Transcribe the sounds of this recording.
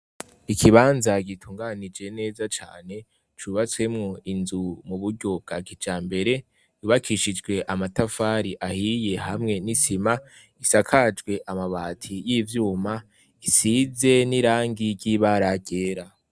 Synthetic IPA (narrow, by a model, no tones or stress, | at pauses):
ikʰiβaːnzaɟitʰuːŋɡaːnid͡ʒe̞ne̞ːzat͡ʃa̰ːne̞ | t͡ʃuβat͡swe̞mŋo̞inzumuβuɾɟo̞b̚ɡ̥aɡid͡ʒaːmbe̞ɾe̞ | juːβakʰiʃid͡ʒɡwe̞ʔamatafaːɾiʔahije̞hamŋe̞nisima | isakʰad͡ʒɡwe̞ʔamaβaːtʰijiːvjuːma | isize̞niɾaːŋɡiɾɟiːβaɾaɟe̞ːɾa